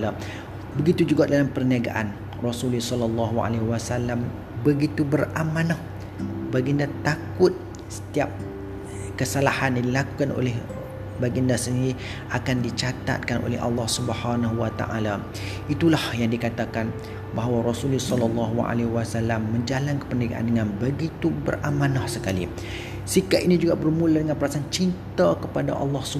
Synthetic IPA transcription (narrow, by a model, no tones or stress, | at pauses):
la | bəɡit̪ud͡ʒuɡaʔdalampərniaɡa̰ʔan | rɔsulisɔlɑlːɑɦua̰leɦwasalam | bəɡit̪ubəramãnɔh | baɡiəndat̪akʊt̪̚ | sə̥t̪iap̚ | kəsalahanjadilaku̥kanʔo̰lɛh | baɡiəndasəniɾi | ʔakandit͡ʃat̪a̰t̪̚kanʔo̰lɛ̰hɑ̰lːɑhsubəhanaɦuwat̪a̰ʔa̰la | it̪ulahjaŋdikat̪akan | baɦwaɾɔsulisɔlɑlːɑɦua̰lewasalːamːə̃ɲd͡ʒalankə̥pəndəɡa̰ʔa̰ndəŋanbəɡit̪ubə̰rʔamanahsəkalḭ | sikaʔ̪ʔinĩd͡ʒuɡabərmuladəŋanpəɾasaant͡ʃint̪akəpada̰ʔɑ̰lːɑhsu